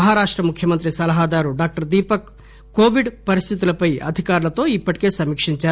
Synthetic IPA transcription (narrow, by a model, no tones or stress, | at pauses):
ɐɦaːɾaːʂʈɾɐmukʰjɐmɐnt̪̬ɾisɐlɐɦaːd̪aːɾuɖaːk̚ʈɐɾd̪iːpɐkː | oːʋiɖpɐɾist̪ʰit̪ulɐpɐjɐ̰d̪ʱikaːɾulɐt̪o̞ːipːɐʈi̥ke̞ːsɐmiːkʂiɲt͡ʃaːɾ